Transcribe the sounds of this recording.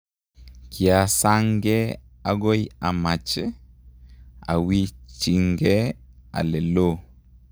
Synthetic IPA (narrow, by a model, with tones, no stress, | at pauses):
kʰi˨a˨saŋɡe | a˨ɡo˦ja˨ma˨t͡ʃ | a̰˨wit͡ʃiŋɡea̰˨le˨lo˦